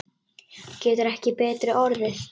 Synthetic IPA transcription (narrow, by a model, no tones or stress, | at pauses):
cɛːt̪ʏɾɛhcɪpɛːt̪ɾɪʔɔɾðɪθ